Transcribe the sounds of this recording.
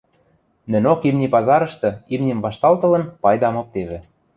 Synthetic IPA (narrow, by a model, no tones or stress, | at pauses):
nɘ̆nʲokimnʲipɑzɑɾɤ̆ʃt̪ɤ̆imnʲimvɑʃt̪ɑlt̪ɤ̆lɤ̆npɑjd̪ɑmŏp̚t̪eβɘ̆